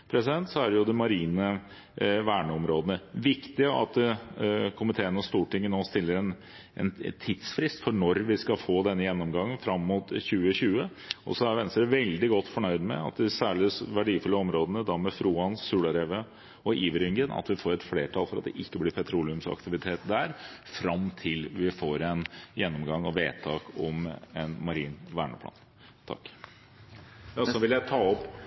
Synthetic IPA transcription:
pʰɾɛsɪd̪ɛnt̪sɔæɖjʊd̪ɛmɑɾiːnə | ʋæːɳəɔmɾoːd̪ənəʋɪkt̪ɪəɑ̰t̪̚ | kʰʊmɪt̪ʰeːənɔst̪uːʈɪŋːənoːst̪ɪlːəɾɛn | ɛ̰nt̪ʰid̪sfɾɪst̪fɔɳɔɾʋɪskɑlfoːd̪ɛnːəjɛnːɔmɡɑŋːənfɾɑmːuːt̪çʉːəçʉːə | ʔɔ̰sɔæɾʋɛnst̪əɾəʋɛld̪ɪɡɔt̪ːfɔɳœʏd̪mɛ̰ɑ̰t̪̚d̪ɛsæːɭɪsʋæɖiːfʏlːəɔmɾoːd̪ənəd̪ɑmɛfɾuːɑnsʉːɽɑɾeːʋə | ɔʔiːʋəɾʏŋɡənɑ̰t̪ʋɪfoːɾɛt̪fleːʈʰɑlfɔɾɑt̪̚d̪ɛ̰ʔɪkːəblɪɾpʰɛt̪ʰɾuːlɪʉmsɑ̰kt̪ɪʋɪt̪ʰeːt̪d̪æɾfɾɑmt̪ʰɪlʋɪfoːɾɛnjɛnːɔmɡɑŋːɔʋeːt̪ʰɑːkɔmɛnmɑɾiːnʋæ̰ːɳəp̪ʰɑ̰ːn | t̪ʰɑ̰kː | ɑsɔʋɪljæɪt̪ʰɑːɔpː

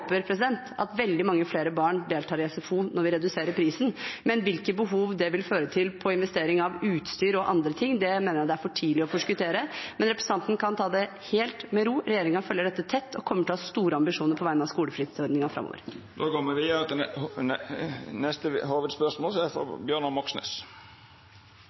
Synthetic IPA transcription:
pːəɾpʰɾɛs̬ɪd̪ɛnt̪ɑt̪ʋɛld̪ɪmɑŋːəfleːɾəbɑːɳɖ̪eːlt̪ʰɑːɾɛsɛfuːnɔɾʋɪɾɛd̪ʉseːɾəɾpʰɾiːsn̩mɛnʋɪlkəbəɦuːʋd̪ɛʋɪlføːɾət̪ʰɪlpʰɔɪnʋɛst̪eːɾɪŋɑʋʉːt̪st̪yːɾɔʔɑ̰nd̪ɾət̪ʰɪŋːd̪ɛmeːnəɾjɑt̪d̪ɛæɾfɔʈʰiːlɪɔfɔʂkʉt̪ʰeːɾəmɛnɾɛpɾɛsɑnt̪ənkʰɑnt̪ʰɑːd̪ɛ | heːlt̪mɛɾuːɾɛjeːɾɪŋɑfœlːəɖɛt̪ːət̪ʰɛt̪ːɔkʰɔmːəʈʰhɑːst̪uːɾəɑmbɪʂuːnəɾpʰɔʋæɪənɑskuːləfɾɪd̪sɔɾɖ̪nɪŋɑfɾɑ̰mːo̰ːʋə̰ɾ | d̪oːkɔmːəʋɪɑt̪ | nɛst̪əhoːʋəd̪spœʂmoːlsɔæfɔ̰bjøːɳɑmɔksnø̰s

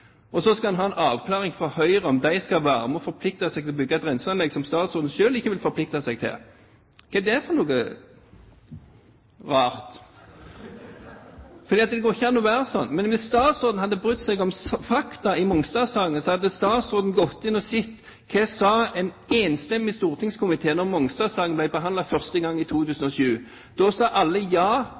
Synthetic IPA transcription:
ɔsɔskɑhɑnɦɑːɛnɑːʋkʰlɑːʁɪŋfɔhœʏɾəɔmd̪æɪskɑʋæːɾəmɛɔfɔɾpʰlɪk̚t̪ɑsɛɡt̪ʰɪlɔbʏɡːɑt̪ɾɛnsəɑnlɛɡsɔmst̪ɑːt̪sʊɾd̪n̩ʃøːlɪçːəʋɪlfɔɾpʰlɪk̚t̪ɑsɛɡt̪ʰɪ̰l | kʰɑd̪ɛæfɔɾnuːɡə | ʁɑːʁt̪ | fɔʁd̪iːɑt̪̚d̪ɛɡoːʁɪçːəɛnːuːʋæːɾəsɔnːmɛnʋɪsst̪ɑːt̪sɔʁd̪n̩hɑd̪ːəbʁʉt̪ːsɛɡɔmsfɑkt̪ɑɪmɔŋst̪ɑːsɑːɡənəsɔhɑd̪ːəst̪ɑːd̪sɔd̪n̩ɡɔt̪ːɪnɔsɪt̪ː | kʰɛsɑːɛn | eːnst̪ɛmːɪst̪uːʁt̪ʰɪŋskʰʊmɪt̪ʰeːnɔʁmɔŋst̪ɑːsɑːɡənblæɪbəɦɑnd̪ɑfœʁst̪əɡɑŋːɪt̪ʰuːt̪ʰʉːsən̩ɔʃʉː | d̪̥ɔsɑːʔɑlːəjɑː

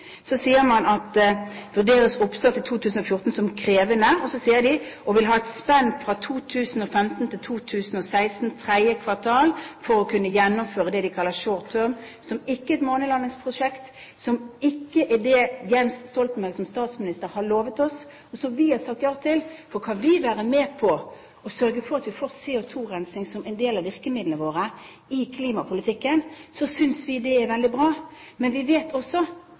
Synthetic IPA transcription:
sɔsiːəɾmɑnɑt̪ʋʉʁd̪eːɾəsʊpsɑt̪ʰːɪlt̪ʰuːt̪ʰʉːsn̩ɔfjʊʁt̪n̩sɔmkʰɾeːʋənəɔsɔsiːəd̪ɪʔɔʋɪlɦɑːɛt̪spɛnfɾɑt̪ʰuːt̪ʰʉːsn̩ɔfɛmt̪n̩t̪ʰɪlt̪ʰuːt̪ʰʉːsn̩ɔsæɪsn̩t̪ʰʁæəkʰʋɑt̪ʰɑːlfɔɾɔkʰʉnːəjɛnːʊmføːɾəd̪ɛd̪ɪkʰɑlːəʃoːt̪ʰøɾm | sɔmɪkːəɛt̪moːnəlɑnːɪŋspʰʁʊʂɛkt̪ | sɔmɪkːəʔɛd̪ɛjɛnsst̪ɔlt̪̩mɛsɔmst̪ɑːt̪smɪnɪst̪əɾhɑɭoːʋət̪ɔs | ɔsɔmʋɪhɑɾsɑk̚t̪jɑːʁət̪ʰɪlfɔɾkʰɑnʋɪʋæːɾəmeːpʰɔ | ɔsœɾɡəfɔɾɑt̪ʋɪfoːɾseːʊt̪ʰuːɾɛnsɪŋsɔmɛɪnd̪eːlɑʋɪʁkəmɪd̪ləəʋoːɾə | ɪkʰliːmɑpʰʊlɪt̪ʰɪkːənsɔsʏnsʋɪd̪ɛæɾʋɛld̪ɪbʁɑː | mɛnʋɪʋeːt̪ʰɔsːɔ

